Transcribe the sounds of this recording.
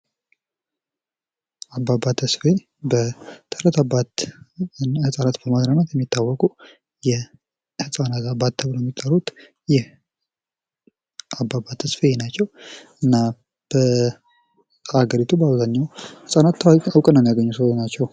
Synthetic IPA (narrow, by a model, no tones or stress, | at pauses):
abːabat̪ʰːəsfe | bət̪ʰəhɾət̪abat̪ | hɨsʼanat̪bəmad̪ɾanat̪jɛmːit̪ːawːɔkʼu | jɛ | hɨsʼanat̪abat̪ʰːəβljɛmːit̪ʼːəɾut̪ | jɛ | abːabat̪ʰːəsfejenat͡ʃːɛwɨnːa | b̥ə | aɡəɾit̪ʰubəaβzaɲːawhɨsʼanat̪awkʼənːəmijaɡəɲːusonat͡ʃːɛw